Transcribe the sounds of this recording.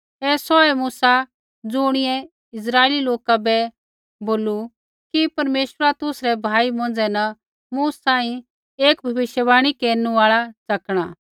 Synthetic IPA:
ɛːsɔɛmuːsa | d͡zʊːɽ̃ɪɛ | ɪs̬ɾaːeːliloːkabɛ | boːlu | kipɐɾmeːʃwəɾat̪ʊsɾɛbʱaːimõn̆d͡zɛnɐ | muːsːãːĩ | eːkbʱɐʋɪʃjəbaːɽ̃ikeːɾnuaːɭat͡sɐkɽ̃aː

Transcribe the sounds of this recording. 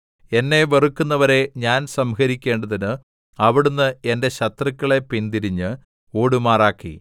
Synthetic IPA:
e̞nːe̞ʋerukːunːɐʋɐɾe̞ɲaːnsɐmɦɐɾikʲːe̞ːɳɖɐðinɨ | ɐʋiɽunːɨende̞ɕɐt̪rɐkʲːɐɭe̞pind̪iɾiɲːɨ | o̞ːɽumaːraːkːḭ

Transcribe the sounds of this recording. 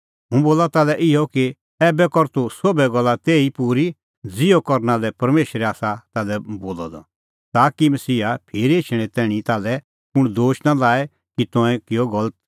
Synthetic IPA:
ɦũboːlat̪aːlɛʔɪjɔki | ɛːbɛkɔɾt̪usobɛɡɔlːat̪eːipuːɾi | d͡zɪjɔkɔɾnalɛpɐɾmeːʃɾɛaːsat̪aːlɛboːlɔ̰d̪ɔ̰ | t̪aːkimɐsiːɦapʰeːɾeːt͡ʃʰɽ̃ɛ̃t̪ɛːɽ̃it̪aːlɛ | pʊɽ̃d̪oːʃnalaːɛ | kit̪ɔ̃ɛ̃kɪjɔɡɐlət̪̚

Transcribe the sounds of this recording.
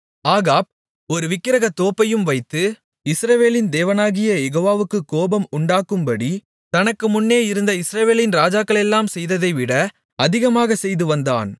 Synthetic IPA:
aːɣaːb̚ | ɔɾɯʋɪkːɪɾɐɣɐt̪ːoːpːɐjɯmʋɐɪt̪ːɯ | ɪsɾɐʋeːlɪnd̪eːʋɐnaːɣɪjɐjɛɣoːʋaːʋɯkːɯkːoːbɐmʊɳɖaːkːɯmbɐɽi | t̪ɐnɐkːɯmʊnːeːɪɾɯnd̪ɐɪsɾɐʋeːlɪnɾaːd͡ʒaːkːɐɭɛlːaːmsɛjðɐðɐɪʋɪɽɐ | ɐðɪɣɐmaːɣɐsɛjðɯʋɐnd̪a̰ːn

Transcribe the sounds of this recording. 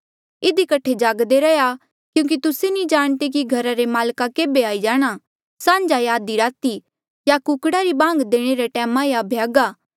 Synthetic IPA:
ɪd̪ikɐʈʰːed͡ʒaːɡd̪eɾɛja | kjũːk̬it̪ʊsenĩd͡ʒaːɽ̃t̪ek̬iɡʱɐɾaɾemaːlkakeːbeaːid͡ʒaːɽ̃a | sãːɲd͡ʒajaːd̪iɾaːt̪i | jakʊkɽaɾibãːŋɡd̪eːɽ̃eɾeʈɛːmãjabʱjaːɡaː

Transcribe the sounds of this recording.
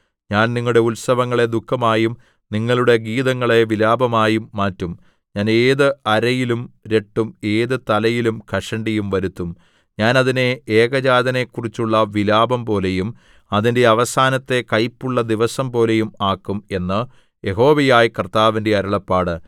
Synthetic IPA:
ɲaːnniŋːɐɭuɽe̞ulsɐʋɐŋːɐɭe̞d̪ukʰːɐmaːjum | niŋːɐɭuɽe̞ɡiːðɐŋːɐɭe̞ʋilaːbɐmaːjumːaːtːum | ɲaːneːðɨɐɾɐjilumɾe̞ʈːume̞ːðɨt̪ɐlɐjilumkʰɐʂɐɳɖijumʋɐɾut̪ːum | ɲaːnɐðine̞eːɡɐd͡ʑaːd̪ɐne̞kːurit͡ɕːuɭːɐʋilaːbɐmpo̞ːle̞jum | ɐðinde̞ɐʋɐsaːnɐt̪ːe̞kɐjpːuɭːɐd̪iʋɐsɐmpo̞ːle̞jumaːkːume̞nːɨ | je̞ɦo̞ːʋejaːjkɐrt̪aːʋinde̞ɐɾuɭɐpːaːɽɨ

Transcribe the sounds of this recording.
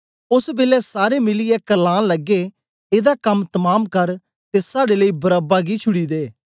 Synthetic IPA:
ʊsbɪlɛsaːɾemɪlijɛkɐlãːlɐɡːe | eːd̪akɐmt̪ɐmaːmkɐɾ | t̪esaːɽeləibɐɾəbaɡit͡ʃʰʊɽid̪eː

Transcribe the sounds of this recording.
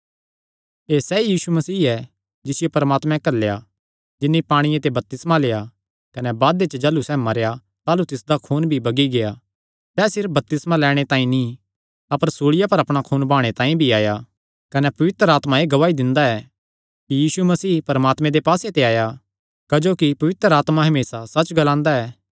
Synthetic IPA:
eːsɛjiːsumɐsiːɛ | d͡ʒɪsɪjopɐɾmaːt̪mɛ̃kɐlːeja | d͡ʒɪnːipaːɽ̃ɪjet̪ebɐp̚t̪ɪsmaleːa | kɐnɛbaːd̪et͡ʃəd͡ʒɐlusɛːmɐɾja | t̪aːlut̪ɪsd̪akʰuːnbʱibɐɡiɡea | sɛːsɪɾfbɐp̚t̪ɪsmalɛːɽ̃et̪ãːĩnĩ | ɐpəɾsoːɽɪjapɐɾɐpɽ̃akʰuːnbʱaːɽ̃et̪ãːĩbʱiaːja | kɐnɛpɐʋɪt̪ɾaːt̪mãeːɡɐʋaːid̪ɪ̃nd̪aɛ | kijiːsumɐsiːpɐɾəmaːt̪mɛ̃d̪epaːset̪eaːja | kɐd͡ʒoːkipɐʋɪt̪ɾəaːt̪maɦɐmeːsasɐt͡ʃɡɐlãːnd̪aɛː

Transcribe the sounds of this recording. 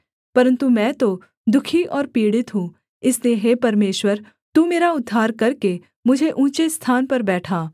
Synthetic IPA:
pɐɾə̃nt̪umɛ̃ːt̪o | d̪ʊkʰiʔɔːɾpiːɽɪt̪ɦũː | ɪslieɦeːpɐɾmeːʃwəɾ | t̪uːmeːɾaʊd̪ʱːaːɾkɐɾke | mʊd͡ʒʱeʔũːt͡ʃest̪ʰaːnpɐɾbɛːʈʰaː

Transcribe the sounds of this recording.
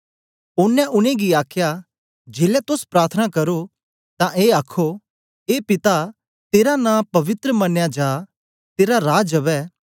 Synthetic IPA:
ʊnːɛ̃ʔʊñẽɡiaːkʰja | d͡ʒeːlɛt̪ʊspɾaːɾt̪ʰənakɐɾo | t̪ãʔeːaːkʰo | eːpɪt̪a | t̪eːɾanãːpɐʋɪt̪ɾəmɐnjad͡ʒaː | t̪eːɾaɾaːd͡ʒɐbɛː

